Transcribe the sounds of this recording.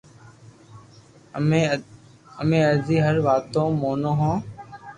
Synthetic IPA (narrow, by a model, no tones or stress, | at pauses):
əmẽːəziːɦəɾʋaːt̪õːmoːnõːɦõː